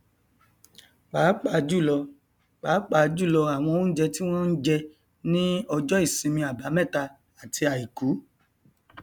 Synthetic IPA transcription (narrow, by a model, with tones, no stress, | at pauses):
k͡paː˨˦k͡pa˧˨d͡ʒu˦˨lɔ˧ | k͡paː˨˦k͡pa˧˨d͡ʒu˦˨lɔ˧a˨w̃ɔ̃˧o˧ũ˦n̩˦d͡ʒɛ˧ti˦w̃ɔ̃˦n̩˦d͡ʒɛ˧ | nĩ˦ɔ˧d͡ʒɔ˦i˦˨sĩ˧mĩ˧a˨ba˨˦mɛ̃˦˨ta˧ | a˨tʰi˧a˨i˨ku˨˦